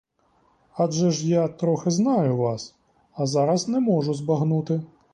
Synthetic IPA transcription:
aʐɛʂjat̪ɾɔxɪznajʊʋas | ɐzaɾɐsnɛmɔʐʊzbaɣnut̪ɪ

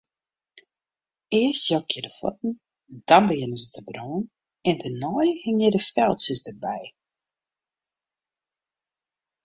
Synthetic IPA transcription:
ɪəstjɔkʰɪdəfɔ̰t̚n̩ | d̥ɔnbəjɪnəzətʰəbroːn | ɛntʰənɔjhɪŋjədəfɛlˠsəsdərbɛj

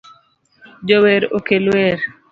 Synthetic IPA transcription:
d͡ʒoweɾokelweɾ

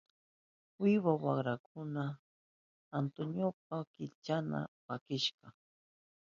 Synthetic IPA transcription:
wɪwawaχɾak̚ʰʊnaː | nt̪onjop̚akɪlt͡ʃana̰pakɪʃɢɑ

